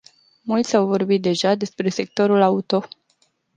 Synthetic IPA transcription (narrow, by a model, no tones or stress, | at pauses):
mult̪sʲawvo̞rbit̪̚d̪e̞ʒad̪e̞spɾe̞se̞k̚t̪o̞ɾulaut̪o̞